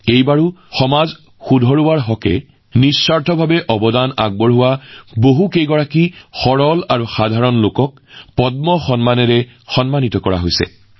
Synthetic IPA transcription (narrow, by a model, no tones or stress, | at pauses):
ejbaɹuxɔmaz | xudʱɔɹuwaɹɦɔkɛ̰ | nisaɹtʰɔbʱabɛʔɔbɔdana̰ɡ̚bɔɹɦʊwaboɦukejɡɔɹakixɔɹɔlaɹuxadʱaɹɔnlokɔk̚ | pɔt̚mɔxɔnmanɛɹɛxɔnmanitɔkɔɹa̰ɦojsɛ̰